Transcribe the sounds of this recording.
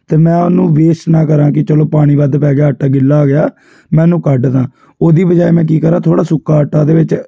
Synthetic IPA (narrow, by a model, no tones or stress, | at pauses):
t̪eːmɛ̃ːʊnũːʋeːʃnaːkəɾãːkɪt͡ʃəloːpaːɽ̃iːbəd̪pɛːɡɪjaːəʈːaːɡɪlːaːɡɪjaː | mɛ̃ːnũːkəɖd̪ãː | oːd̪iːbəd͡ʒaːemɛ̃ːk̬iːkəɾãːt̪ʰoːɽaːsʊkːaːəʈːaːd̪eːʋɪt͡ʃ